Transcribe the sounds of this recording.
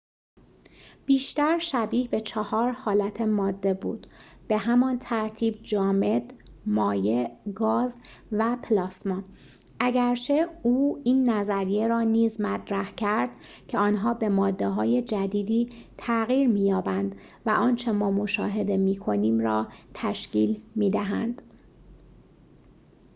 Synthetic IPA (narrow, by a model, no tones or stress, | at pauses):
b̥iːʃt̪æɾʃæbiːhbe̞t͡ʃʰehɒːɾhɒːlæt̪ʰe̞mɒːd̪ːe̞bṵːd̪̥b̥e̞ɦæmɒnt̪ʰæɾt̪ʰiːb̚d͡ʒɒːme̞d̪mɒːjeɡɒːz | væpʰlɒːsmɒː | ʔæɟæɾt͡ʃʰe̞uːiːnːæzæɾijeɾɒːniːzmæt̪ʰɾæhcʰæɾd̪̥ | cʰeɒːnɦɒːbe̞mɒːd̪ːe̞ɦɒːje̞d͡ʒæd̪iːd̪iːt̪ʰæɣiːɾmiːjɒːbænd̪ | væʔɒːnt͡ʃʰe̞mɒːmo̞ʃɒ̰ːɦe̞d̪e̞miːkʰo̞niːmɾɒːt̪ʰæʃciːlmiːd̪æɦæ̰nd̪̥